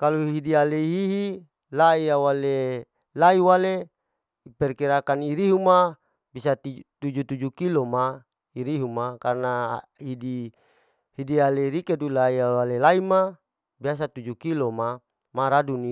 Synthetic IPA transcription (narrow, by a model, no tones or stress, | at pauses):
kaluɦɦidialeiɦiɦi | laijawale | laiwale | ipɛrkiɾakaniɾiɦuma | bisat̪it̪ud͡ʒut̪ud͡ʒukiloma | iɾiɦumakarnaɦidi | hidialeiɾikedulaiawalelaima | bias̬at̪ud͡ʒukiloma | maɾaduni